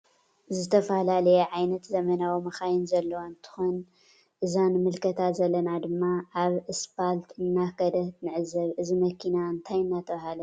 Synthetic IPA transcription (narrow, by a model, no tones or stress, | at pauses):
zɨt̪ʰɐfɐlalɐjɛʕajnɐt̪zɐmɐnawimɐxajɪnzɐlːɐwant̪ʰɨ̥xon | ʔɨzanmɨlkʰɐt̪ʰat̪zɐlːɐnad̪ɨmːaʔːβɨspalt̪ʰɨnːakʰɐd̪ɐht̪nɨʕɨzɐβʔɨzimɐkʰinaɨnt̪ʰajɨnːat̪ʰɐβɐhalɐ